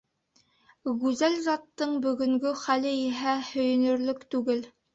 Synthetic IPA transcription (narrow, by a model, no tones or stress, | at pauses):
ɣʉzælzɑt̪ːɤɴbɵ̆ɡɵ̆ŋɡɵχælɘiɦæhɵ̆jɵ̆nɵ̆ɾlɵkt̪ʉɡɘl